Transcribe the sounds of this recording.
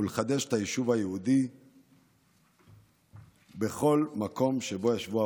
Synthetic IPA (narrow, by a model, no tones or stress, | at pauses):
uleχad̪eʃet̪ajiʃuvhajehud̪i | be̞χo̞lmako̞mʃe̞bo̞jaʃvua